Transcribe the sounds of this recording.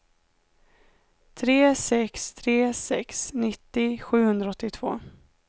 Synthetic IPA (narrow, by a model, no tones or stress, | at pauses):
t̪ʰɾeːsɛkst̪ʰɾeːsɛksnɪt̪ːɪɧʉ̟ːhɵnd̪ɾaɔt̪ːɪt̪ʰv̥o̰ː